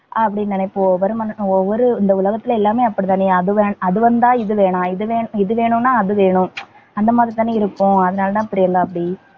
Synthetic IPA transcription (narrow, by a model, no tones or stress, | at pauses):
ʔaɐp̬ːɐɽɪnːɐːnɐɪpːoɔʋɐɾɯmɐnɔʋːɔɾɯɪnd̪ɐʊlɐɣɐt̪ːɪlɛlːaːmeːɐpːɐɽit̪aːneɐðɯʋeːɳɐðɯʋɐnd̪ãːɪðɯʋeːɳãːɪðɯʋeːɳɪðɯʋeːɳʊ̃nːaːɐðɯʋeːɳʊ̃ | ɐnd̪ɐmaːðɾit̪aːnːeːɪɾɯkːʊ̃ɐðɐnaːlɐt̪ãːpɪɾɪjɐŋɡ̪aːɐpːɐɽi